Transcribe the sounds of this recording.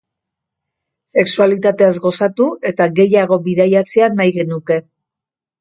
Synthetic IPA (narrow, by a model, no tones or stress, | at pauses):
se̞ksualit̪at̪e̞azɣo̞sat̪ue̞t̪aɣe̞jaɣ̞o̞βiðajat͡se̞anajɣe̞nuke̞